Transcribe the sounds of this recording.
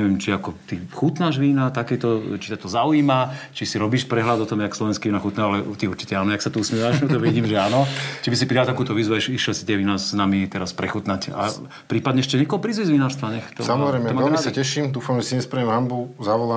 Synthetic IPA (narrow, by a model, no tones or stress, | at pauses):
ɛʋɛmt͡ʃiakɔt̪ixut̪naʒʋiːnat̪akɛːt̪ɔt͡ʃi̥t̪at̪ɔzauiːmat͡ʃisiɾɔbiːʃpɾɛɦlad̪ɔt̪ɔmjakslɔʋɛnskiiːnaxut̪nɛːɦɔalɛʔṵt̪iuɾt͡ʃi̥cɛaːnɔjaksat̪uusmjɛʋaʃnɔt̪ɔʋiɟiːmʒɛaːnɔcɛbis̬ipɾidat̪akuːt̪ɔʋiːzʋuaʃiʃjɛlsit̪ɪɛʋiːnanamit̪ɛɾaspɾɛxut̪naca̰ | pɾiːpad̪ɲɛɛʃcɛɲɛkɔɦɔpɾiːzuzʋinaːɾst̪ʋaɲɛxt̪ɔsamɔzɾɛjmɛɛmɔɛlɛmisacɛʃimd̪uːfamʒɛsiɲɛspɾɛɛmɦambuzaʋɔla